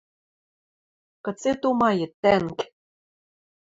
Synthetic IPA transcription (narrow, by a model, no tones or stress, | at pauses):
kɤ̆t͡set̪omɑjɤ̆t̪ːæŋk